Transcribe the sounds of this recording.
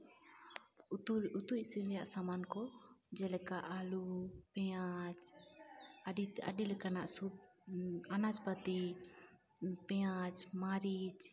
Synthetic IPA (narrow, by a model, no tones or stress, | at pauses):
ut̪ucsilɛjaʔsamankɔd͡ʒɛlɛkaʔalupɛat͡ʃ | aɖia̰ɖilɛkanaʔsu | anad͡ʒpət̪i | pɛat͡ʃmaɾit͡ʃ